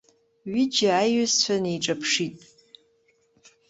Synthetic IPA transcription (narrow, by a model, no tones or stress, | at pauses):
ɥɪd͡ʒaːjʏzt͡ʃʷʰᶣanejʈ͡ʂʼapʰʂitʼ